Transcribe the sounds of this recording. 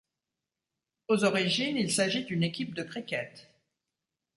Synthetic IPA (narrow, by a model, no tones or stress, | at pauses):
ozɔʁiʒinilsaʒid̪ynekʲip̚d̪əkχikʲɛt̪